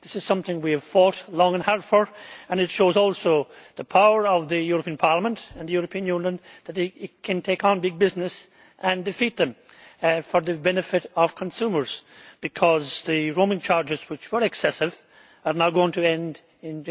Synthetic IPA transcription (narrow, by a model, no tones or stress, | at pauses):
ðɪsɨz̥sʌ̃mθɪ̃ŋwiɨv̥fɔtlɔ̃ŋə̃nhɛɹd̥fə˞ə̃nɨtʃoʊzɔlˠsoðəpʰaʊə˞ʌvðɨjʊɹəpʰĩə̃npʰɑɹlˠəmə̃ntə̃nðɨjʊɹəpʰĩə̃njʉ̃njə̃nðətikʰɨ̃ntʰeɪkn̩bɪɡ̚bɪznɨs | ʔə̃ndɨfit̪̚ðɨ̃m | fə˞ðɨbɛnɨfɪɾʌv̥kʰə̃nsumə˞z̥b̥ɨkʰʌzðɨɹõmɪ̃ŋt͡ʃʰaɹd͡ʒɨz̥wɨt͡ʃwə˞ɨksɛsɨv | ə˞naʊɡoɪ̃ŋtʰɨɛ̃nd | ɪ̃n